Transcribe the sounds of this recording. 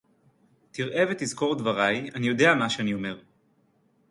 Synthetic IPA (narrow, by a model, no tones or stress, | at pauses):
t̪iʁʔe̞vetizko̞ʁd̪vaʁajanijo̞de̞amaʃeanio̞me̞ʁ